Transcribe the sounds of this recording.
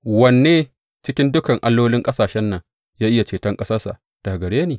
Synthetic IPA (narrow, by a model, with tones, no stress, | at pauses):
wɐ˨nːeː˦ | t͡ʃɪ˦kʲɪ˦ndʊ˦kɐ˨ŋʔa˦lːoː˦lɪ˦ŋkʼɐ˦saː˨ʃɛ˦nːɐ˨ŋ | jaː˦ʔɪ˦ja˨t͡ʃeː˨tɐ˦ŋkʼɐ˦sɐ˦sa̰˨ | d̥a˨ɡɐ˨ɽeː˦neː˨